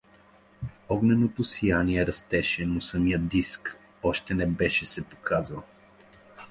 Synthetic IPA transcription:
ɔɡnɛnot̪osijaniɛɾɐst̪ɛʃɛnosəmijəd̪isk | ɔʃt̪ɛnɛbɛʃɛsɛpo̥kʰazəlˠ

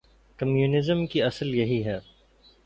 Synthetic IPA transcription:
kɐmjuːnɪzəmkiɐsəljɐɦiɦɛː

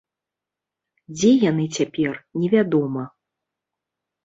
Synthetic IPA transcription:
d͡zʲɛjanɨt͡sʲapʲɛrnʲɛvʲad̪ɔmɐ

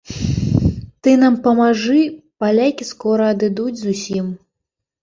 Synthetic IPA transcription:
t̪ɨnampɐmaʐɨpalʲakʲiskɔɾɐːd̪ɨd̪ud͡zʲzusʲim

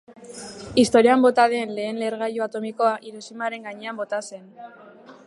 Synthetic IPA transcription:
ist̪o̞ɾiambo̞t̪aðenle̞ːnle̞ɾɣ̞ajoat̪o̞miko̞aʔiɾosimaɾe̞ŋɡaɲe̞ambo̞t̪ase̞n

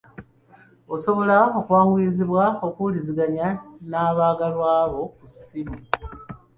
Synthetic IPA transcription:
o̞so̞βo̞lao̞kuwaːŋɡuiiziβwao̞kuliziɡaɲanaːβaːɡalwaːβo̞kusimu

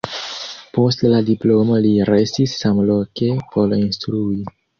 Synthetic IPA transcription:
po̞stladiplo̞mo̞liɾe̞sisːamloke̞pʰo̞linstɾui

